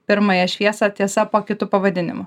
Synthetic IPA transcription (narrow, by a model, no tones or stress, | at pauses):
pʲɪɾmɐjɛʃʲʋʲiɛsɐt̪ʲiɛsɐpoːkʲɪt̪ʊpɐʋɐd̪ʲɪnʲɪ̰mʊ